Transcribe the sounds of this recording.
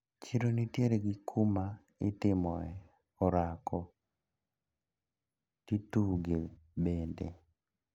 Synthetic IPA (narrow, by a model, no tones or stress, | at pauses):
t͡ʃiɾonitjeɾeɡɪkʰuma | ɪtɪmɔɛ | ɔɾakʰɔ | kituɡe | bendḛ